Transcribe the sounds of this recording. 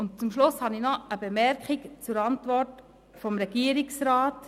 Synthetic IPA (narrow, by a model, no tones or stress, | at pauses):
ʊntt͡sʊmʃlʊshɑninɔəbemɛɾkχikt͡sʊɾɑntvɔrt | fɔmɾɛɡiːəɾɪksɾaːt